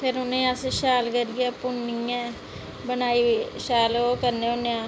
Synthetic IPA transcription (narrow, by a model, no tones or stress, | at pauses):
pʰɪɾʊnẽːəsʃaːlkəɾɡɪaːpʊnːĩːɛ̃ː | bənaːiːʃaːloːkəɾnẽːʊnẽaː